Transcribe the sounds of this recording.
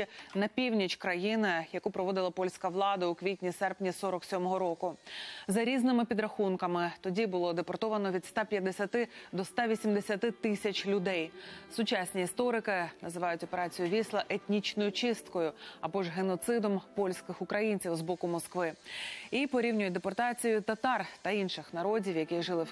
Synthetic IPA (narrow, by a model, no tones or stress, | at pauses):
inɐpʲiwnʲit͡ʃkɾɐjinɪjɐkupɾɔʋɔd̪ɪlˠɐpɔlʲsʲkɐʋlˠɑd̪ɐʊkʋʲitʲnʲisɛrpnʲisɔɾɔksʲɔmɔɦɔɾɔkʊzɐɾʲiznɪmɪpʲid̪ɾɐxunkɐmɪt̪ɔdʲibʊlˠɔd̪epɔrt̪ɔʋɐnɔʋʲid̪st̪apʲjɐd̪ːesʲɐt̪ɪd̪ɔst̪aʋʲisʲimd̪esʲɐt̪ɪt̪ɪsʲɐt͡ʃlʲʊd̪ɛjsʊt͡ʃɑsʲnʲiist̪ɔɾɪkɪnɐzɨʋɑjʊtʲɔpeɾɑt͡sʲijʊʋʲislˠɐʔet̪ʲnʲit͡ʃnɔjʊt͡ʃɪst̪kɔjʊɐbɔʒɦenɔt̪sɪd̪ɔmpɔlʲsʲkɪxʊkɾɐjinʲt͡sʲiwzbɔkʊmɔskʋɪipɔɾʲiwnʲʊjɛt̚ʲd̪epɔrt̪ɑt͡sʲijʊt̪ɐt̪ɑrt̪ɐinʃɪxnɐɾɔdʲiwjɐkiʒɨlˠɪ